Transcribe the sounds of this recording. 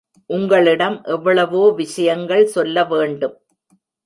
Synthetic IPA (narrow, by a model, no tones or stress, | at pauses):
ʔʊŋɡɐɭɪɽɐmʔɛʋːɐɭɐʋoːʋɪʂɐjɐŋɡɐɭsɔlːɐʋeːɳɖɯm